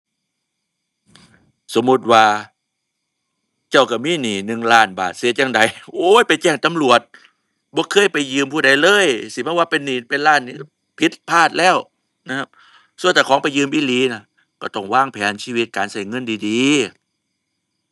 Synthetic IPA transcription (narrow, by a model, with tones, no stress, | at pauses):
so˨˦mːu˧˥t̪̚waː˧ | t͡ɕa˧˩wka˧˩miː˧˥˨niː˨˩nɯ˨˧ŋlaː˧˩nba̰ː˨˩t̪̚si˨˦əjaː˧ŋda˨˦jʔoː˧˦˨jpa˨jt͡ɕɛː˧˩ŋt̪a˨mlu˨˩ət̪̚ | bɔː˧˦kʰɤː˧˥˨jpa˨jːɯː˧mpʰuː˧˩da˨˩jlɤː˧˥˨jsi˧˦pʰa˧˩waː˧pe˧nːiː˨˦pe˨nlaː˧˩˨nːiː˧˩˧ | pʰi˧˦t̪̚pʰaː˧˥˩t̪̚lɛː˧˥˩w | na˧kʰa˧˥p̚ | su˧˨nt̪aː˧˩kʰɔː˨˦ŋpa˨jːɯː˧˨mʔiː˧˩˨liː˨˦na˧˩ | kɔː˧˩t̪ɔ˧˩ŋwaː˧˥˩ŋpʰɛː˨˦nsiː˧wi˧t̪̚kaː˨nsa˧˩jŋɤ˧˥˨ndiː˨diː˨˦